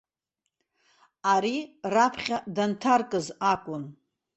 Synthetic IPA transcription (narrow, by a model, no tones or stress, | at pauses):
aɾirapʰχʲadantʰarkʼɨzakʷʼʊn